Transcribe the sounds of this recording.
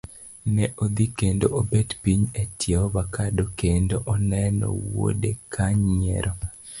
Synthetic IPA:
nɛʔod̪ikendoʔobetpiɲetjeɔbakadokendoʔɔnɛnɔ̰wo̰dekʰaɲɲɛ̰ɾʔɔ

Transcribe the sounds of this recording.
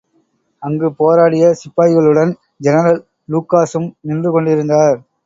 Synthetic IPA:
ɐŋɡɯpoːɾaːɽɪjɐsɪpːaːjɣɐɭɯɽɐn | d͡ʒɛnɐɾɐl | luːkːaːsɯmnɪndrɯkɔɳɖɪɾɯnd̪aːɾ

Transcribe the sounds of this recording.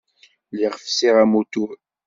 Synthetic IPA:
liʁəfsiʁæmut̪uɾ

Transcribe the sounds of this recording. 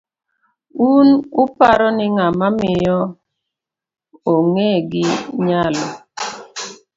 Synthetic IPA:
unʊpaɾɔnɪŋamamɪjɔ | oŋeɡɪɲalɔ

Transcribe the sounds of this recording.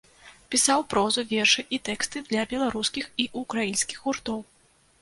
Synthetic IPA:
pʲisawpɾɔzuvʲɛrʂɨʔit̪ɛkst̪ɨd̪lʲɐbʲɛlˠaɾuskʲixiʔukɾajinsʲkʲi̥xɣurt̪ɔw

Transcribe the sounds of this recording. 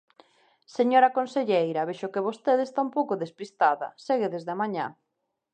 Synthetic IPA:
seɲoɾɐkonseʎejɾɐβeʃʊkeβost̪eðest̪ampowkʊðespist̪aðɐ̰seɣeðezðeɐmaɲã̰

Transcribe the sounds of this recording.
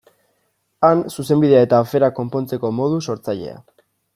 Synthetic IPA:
ansuse̞mbiðe̞ae̞t̪aːfe̞ɾako̞mpo̞nt͡se̞ko̞mo̞ð̞uso̞ɾt͡saʎe̞̰a̰

